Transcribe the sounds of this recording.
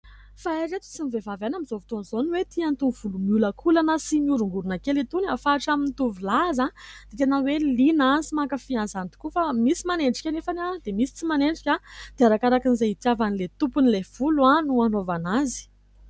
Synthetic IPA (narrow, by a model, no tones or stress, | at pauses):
faeɾet̪u̥t͡simivevavanamizovit̪onzoniwet̪iant̪uv̥ulumiuləkʰulanəsimiuɾuŋɡuɾunakelit̪unafaʈ͡ʂamint̪uvilazad̪̥et̪enawelinansimakəfianzant̪i̥kufamisimaneɳɖ͡ʐi̥kʲanefanad̪̥emisi̥t͡simaneɳɖ͡ʐi̥kʲad̪̥eaɾakaɾakinizeit̪javanilet̪upunilev̥uluanuanovanazi̥